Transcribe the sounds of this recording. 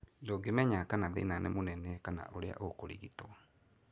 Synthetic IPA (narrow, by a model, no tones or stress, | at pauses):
doɡemɛɲakanaðḛnanɛ̰monɛnɛkana̰ʔoɾea̰ʔokoɾḭɣitɔ